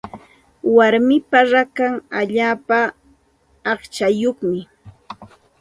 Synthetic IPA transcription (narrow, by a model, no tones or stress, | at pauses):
waɾmɪpaɾakaŋaʎaːpaː | χt͡ʃajoχmɪ